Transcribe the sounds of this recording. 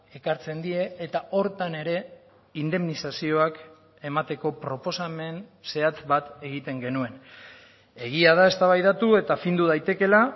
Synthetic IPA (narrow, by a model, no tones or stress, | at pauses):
e̞kaɾt͡se̞nd̪ie̞ːt̪aʔo̞ɾt̪ane̞ɾe̞ | ind̪e̞mnisasio̞ak | e̞mat̪e̞ko̞pɾo̞po̞same̞nse̞at͡s̪bat̪e̞ɣ̞it̪e̞ŋɡe̞nue̞n | e̞ɣ̞iað̞ae̞st̪aβ̞ajðat̪ue̞t̪afind̪uðajt̪e̞ke̞la